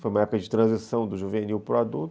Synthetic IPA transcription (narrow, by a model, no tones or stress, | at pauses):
fojumɐɛpʊkɐd͡ʒɪt̪ɾɐ̃zisɐ̃w̃d̪ʊʒuveniwpɾad̪u